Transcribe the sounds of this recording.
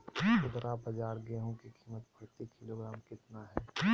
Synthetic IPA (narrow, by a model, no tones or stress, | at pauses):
ʊd̪ɾabɐd͡ʒaːɾɡeːɦõkikʰiːmət̪bʰʱɐɽt̪ikɪloɡɾaːmkɪt̪naɦɛː